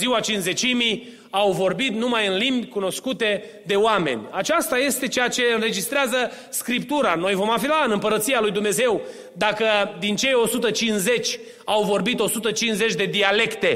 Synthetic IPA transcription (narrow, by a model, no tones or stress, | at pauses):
ziwat͡ʃinze̞t͡ʃimij | awvo̞rbit̪numajɨnlimbʲkuno̞skut̪e̞ | d̪e̞oame̞̰nʲat͡ʃast̪aje̞st̪e̞t͡ʃejat͡ʃe̞ɨnɾe̞d͡ʒist̪ɾeazə | skɾip̚t̪uɾano̞jvo̞mafilaɨnɨmpəɾət̪sijalujd̪umne̞ze̞w | d̪akəd̪int͡ʃe̞jo̞sut̪ət͡ʃinze̞t͡ʃʲ | awvo̞rbit̪o̞sut̪ət͡ʃinsze̞t͡ʃʲd̪e̞d̪iale̞kt̪e̞